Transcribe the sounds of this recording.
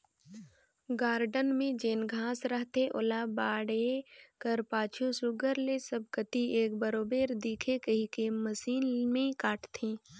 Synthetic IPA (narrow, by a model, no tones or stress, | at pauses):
ɡaːɾɖənmẽd͡ʒeːnɡʱaːsɾəɦt̪eʔʊ̰laːbaːɽekəɾpaːt͡ʃʰusʊɡəɾlesəb̚kət̪ieːkbəɾoːbeːɾd̪iːkʰekəɦikeməsiːnmẽkaːʈʰt̪ʰẽː